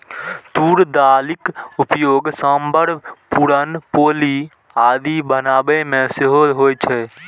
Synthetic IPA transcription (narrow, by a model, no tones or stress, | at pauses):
t̪uːɾd̪aːlɪkʊpjoːɡsãːmbʱəɾpuɾənpoːli | aːd̪ibənaːbemẽsɪɦoɦoːjt͡ʃʰɛː